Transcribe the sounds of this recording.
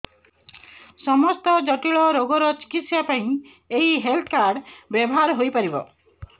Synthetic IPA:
sɔmɔst̪ɔd͡ʒɔʈiɭɔɾoɡɔɾɔt͡ʃi̥kit̪sjapaĩ | eɦiɦelt̪ʰkaɾɖbjɔbɔɦaɾɦojpaɾibɔ̰

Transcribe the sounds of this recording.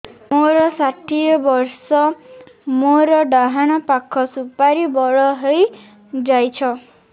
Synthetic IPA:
moɾɔsaʈʰiɔbɔɾsɔ | moɾɔɖaɦaɽ̃ɔpakʰːɔsupaɾibɔɭɔɦej | d͡ʒajt͡ʃʰɔ

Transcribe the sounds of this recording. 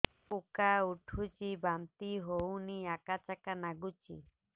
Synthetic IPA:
pukauʈʰut͡ʃibamt̪iɦowniakat͡ʃakanaɡut͡ɕḭ

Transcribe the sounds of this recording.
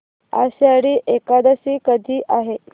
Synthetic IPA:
a̰ɕeaɽiːʔekad̪əsiːkəd̪ʱiːʔaɦe

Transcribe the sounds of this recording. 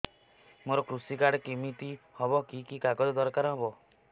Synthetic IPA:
moɾɔkɾusikaɽkimit̪ihɔbɔkikikaɡɔd͡ʒɔd̪ɔɾkaɾɦɔbɔ

